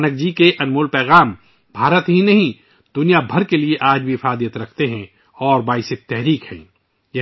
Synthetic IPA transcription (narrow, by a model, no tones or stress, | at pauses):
nək̚d͡ʒikeʔɐnmuːlpɛːɣaːm | bʱaːɾət̪ɦinɐɦĩ | d̪̥ʊnijabʱɐɾkelieʔaːd͡ʒbʱifaːd̪ijət̪ɾɐkʰt̪eɦɛ̃ | ɔːɾbaːɪsɪt̪ɛɦɾiːkhɛ̰̃ː | jɐ